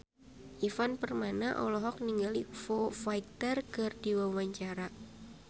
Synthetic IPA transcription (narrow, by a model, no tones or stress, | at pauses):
ʔifanpərmanaʔɔ̰lɔɦɔk̚niŋɡalifɔfaj̚t̪ərkɨrdiwawaɲt͡ʃaɾa